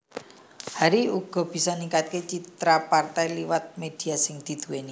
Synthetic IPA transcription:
haɾiuɡ̥ɔ̤b̥i̤sɔniŋkat̪̚ket͡ʃit̪ɾapart̪ajliwat̪̚med̪̥i̤asɪŋd̪̥i̤d̪̥ṳweni

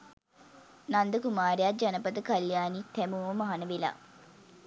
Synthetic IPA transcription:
nand̪əkumaːɾejad͡ʒanəpət̪əkaljaːnit̪æmuːʋəmaɦanəʋela̰ː

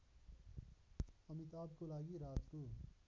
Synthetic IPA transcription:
əmit̪aːbkolaːɡiɾaːt̪koː

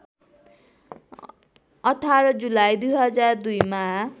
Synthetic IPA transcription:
ʌʈʰaɾʌd͡zulajd̪ujɦʌd͡zard̪ujma

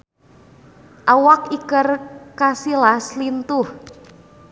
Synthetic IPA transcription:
ʔawakikərkasilaslint̪ʊh

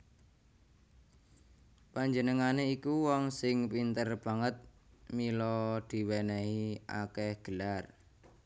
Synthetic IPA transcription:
paɲd͡ʒənəŋaneikuwɔŋsɪŋpint̪ərb̥a̤ŋət̪̚ | milɔd̪̥i̤wenɛia̰kɛhɡ̥əlar

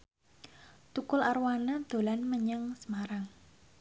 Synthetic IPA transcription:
t̪ukʊlaɾwanad̪̥o̤lanməɲəŋsəmaɾaŋ

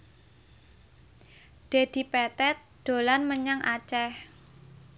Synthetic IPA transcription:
ɖ̪̥ed̪̥i̤pɛt̪ɛt̪̚d̪̥o̤lanməɲaŋʔa̰t͡ʃɛh

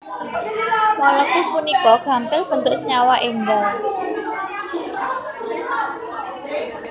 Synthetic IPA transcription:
mɔlɔkupunikɔɡ̥a̤mp̪ɪlb̥ənt̪ʊksəɲawaʔeŋdal

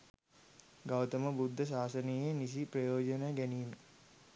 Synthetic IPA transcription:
ɡawt̪əməbud̪ʱːəs̬aːsənijjenis̬iprɐjoːd͡ʒənəjɡæniːmə

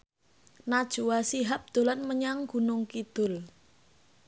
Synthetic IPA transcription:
nad̥ʒ̥uwasiɦap̚d̪̥o̤lanməɲaŋɡ̥unʊŋkid̪̥ʊ̤l

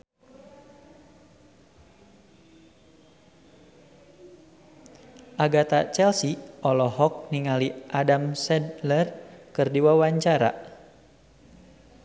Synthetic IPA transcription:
ʔaɡat̪at͡ʃɛlsiʔɔlɔɦɔk̚niŋaliʔadamsɛdlərkɨrdiwawaɲt͡ʃaɾa̰

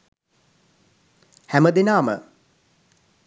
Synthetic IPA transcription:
hæməd̪enaːmə̰

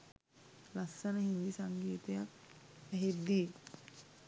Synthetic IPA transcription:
lasːənəɦind̪isaŋɡiːt̪ɐjak | æɦed̪ːi

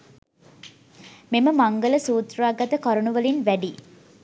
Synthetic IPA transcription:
meməmɐŋɡələsuːt̪raːɡɐt̪əkɐɾunuʋɐlinʋæɖiː

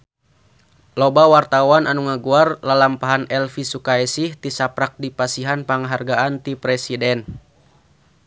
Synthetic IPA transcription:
lɔbawart̪awanʔanuŋaɡuarlalampaɦanɛlfisukaɛsiht̪isapɾak̚dipasiɦanpaŋɦarɡaʔant̪ipɾɛsidɛn

